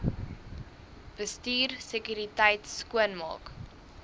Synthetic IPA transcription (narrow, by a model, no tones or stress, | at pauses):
b̥əstiːrsekyɾitəjtskuənmɑ̰ːk